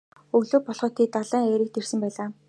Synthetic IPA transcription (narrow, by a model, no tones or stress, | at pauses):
ɵɣɮoːpɔɮχɞ̆t̪ʰːiːt̪aɮæːŋeɾɘ̆k̚t̪er̥sɘ̆mpæːɮaː